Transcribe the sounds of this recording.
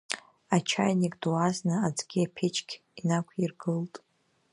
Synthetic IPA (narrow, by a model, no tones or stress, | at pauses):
at͡ʃʰajnikʼd̥waznɨad͡zɡʲiapʰet͡ʃʰʼkʲʰ | inakʷʰirɡɨltʼ